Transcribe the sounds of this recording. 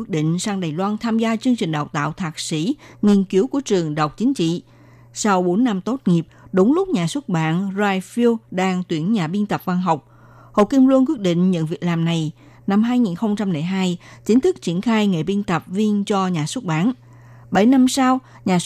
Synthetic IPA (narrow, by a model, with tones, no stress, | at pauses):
ɗḭ̈˧˨ŋ̟saː˧ŋɗaː˨˩jlwaː˧nt̪ʰaː˧mzaː˧t͡ɕɨ˧əŋt͡ɕï˨˩ŋ̟ɗa˨˩w̚t̪a̰ː˧˨wt̪ʰaː˨˩k̚sḭ˧˥ŋi˧ənki˨˦əwku˧˩ət͡ɕɨ˨˩əŋɗə˨˩wk͡p̚t͡ɕï˨˦ŋ̟t͡ɕḭ˧˨ | sa˧wɓo˨˦nːa˧mt̪o˦˥t̚ŋi˨˩əp̚ɗʊ˨˦wŋ͡mlʊ˦˥k͡p̚ɲaː˨˩swə˦˥t̚ɓa̰ː˧˨nzaː˧jfi˧wɗaː˧ŋt̪wi˧˩ənɲaː˨˩ɓi˧ənt̪ə˨˩p̚va˧nɦa˨˩wk͡p̚ | ho̰˧˨ki˧mlu˧əŋk̬wt̚ɗḭ˧˨ŋ̟ɲə̰˧˨nvi˨˩ək̚laː˨˩mna˨˩j | na˧mɦaː˧jŋi˨˩nxə˧wŋ͡mt͡ɕa˧mlɛ̰˨˩ɦaː˧jt͡ɕï˨˦ŋ̟t̪ʰɨ˦˥k̚t͡ɕi˧˩ənxaː˧jŋḛ˨˩ɓi˧ənt̪ə˨˩p̚vi˧ənt͡ɕɔ˧ɲaː˨˩swt̚ɓaː˧˥˨n | ɓə˧˩jna˧msa˧w | ɲaː˨˩